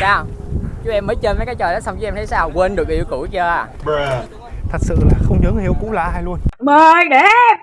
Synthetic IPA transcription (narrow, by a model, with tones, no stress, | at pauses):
saː˧˩wt͡ɕu˨˦ʔɛ˧mːəː˨˦jt͡ɕəː˧nvəː˨˦jkaː˨˦jt͡ɕəː˨˩ɗɔ˨˦sa˧wŋ͡mt͡ɕu˧˦˥ɛ˧mt̪ʰə˨˦jsaː˧˩wkwe˧nɗɨ˨˩ək̚ʔḭ˧əwku˧˩˦t͡ɕəː˧aː˨˩ | t̪ʰə˨˩k̚sɨ̰˧˨laː˨˩xə˧wŋ͡mzɨ˨˦ŋhḭ˧˨əwkṵ˧˥la̰ː˧˩ha˧jlu˧ənməː˨˧jɗe˧˨˥